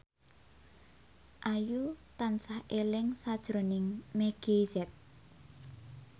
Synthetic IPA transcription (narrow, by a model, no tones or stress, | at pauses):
ʔajut̪ansahʔelɪŋsad̥ʒ̥ɾonɪŋmeɡ̥ezɛt̪̚